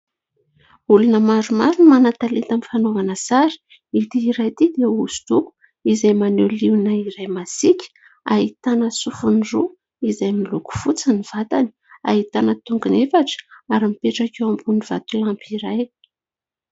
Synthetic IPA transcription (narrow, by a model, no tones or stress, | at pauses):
ulunəmaɾumaɾunmanat̪alet̪amifanovanəsaɾi̥ | it̪iiɾajt̪id̪euzu̥t̪uku̥ | izajmaneliwnəiɾajmasikʲə̥ | a̰it̪anəsufunru | izajmiluku̥fut͡səniv̥at̪ani̥ | a̰ɦit̪anət̪uŋɡunefaʈ͡ʂə̥aɾimipeʈ͡ʂakewambuniv̥a̰t̪ulampiɾaj